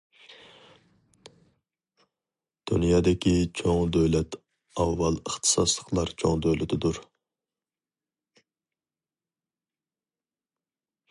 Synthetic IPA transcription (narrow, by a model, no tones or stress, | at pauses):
d̪̥unjɑːd̪ɪkʲit͡ʃʰoŋd̪øwlɛt̪ | ɑwːɑlˠəχt̪ʰɨ̥sɑslˠəqlˠɑɾt͡ʃʰoŋd̪øwlɪt̪ʰɪd̪uɾ